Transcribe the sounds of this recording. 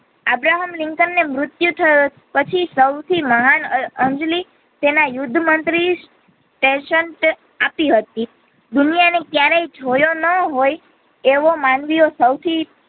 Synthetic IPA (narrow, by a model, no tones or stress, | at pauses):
abɾaɦəmlɪŋkənːemɾʊt̪jut̪ʰəjo | pət͡ʃʰisəwt̪ʰiməɦanənd͡ʒli | t̪enajʊd̪ʱːmənt̪ɾi | ʈẽʃəɳʈ | apiɦət̪i | d̪unijanek̪jaɾejd͡ʒʱojonəɦoj | eʋomanʋiosəwt̪ʰi